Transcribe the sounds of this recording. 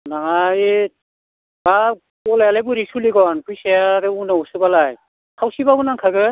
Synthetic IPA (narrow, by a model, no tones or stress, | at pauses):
naŋaj | ba | ɔlajalajbuɾisuliɡɔnpujseaɾeunausɯbalaj | kʰawsibabunaŋkʰaɡɯ